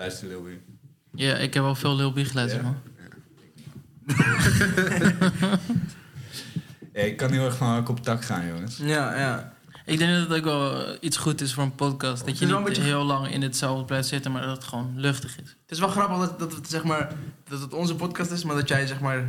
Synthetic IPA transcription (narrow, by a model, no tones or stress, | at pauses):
lastəlɪbi | jaʔɪ̰kɦɛpɔlˠfɪːlˠɪlˠbiχəlɛəma | jaɪkːɑnɦɪlˠɛχfɔnakɔptɑkχa̰ːnjo̰ŋəsjaja | ʔɪɡ̚dɛŋdtokʋɛlˠitsχutɪsfoːɹənpɔtkɑstdɑtjəɛbɦɪlˠlɑŋɪ̰nətsɛlˠfdəblɛjftsɪtənmaːɹdtχʋonløχtəχɪs | tɪsʋɛlˠχrɑpəχdtdɑtətsɛχmaːɹdɔtətɔnzəpɔtkɑstɪsmaːɹdɑtjɛjsɛχmaːɹ